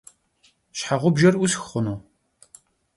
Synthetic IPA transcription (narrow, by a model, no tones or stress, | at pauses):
ʃħaʁʷʊbʒɐrʔʷʊsxχʊnoː